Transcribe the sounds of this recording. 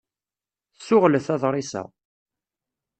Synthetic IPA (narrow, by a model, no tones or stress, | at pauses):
θsʊʁləθɑðˤɾˤisæ̰